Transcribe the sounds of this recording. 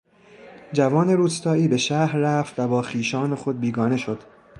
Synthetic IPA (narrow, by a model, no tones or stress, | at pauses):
d͡ʒævɒːne̞ɾuːst̪ɒːiːbe̞ʃæhɾːæft̪væbɒːxiːʃɒːne̞xo̞d̪̚biːɡɒːne̞ʃo̞d̪̥